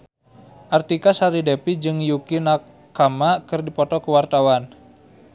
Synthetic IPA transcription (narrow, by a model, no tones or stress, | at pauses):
ʔart̪ikasaɾidepid͡ʒɨŋjukina | kamakɨrdipɔt̪ɔkəwart̪awan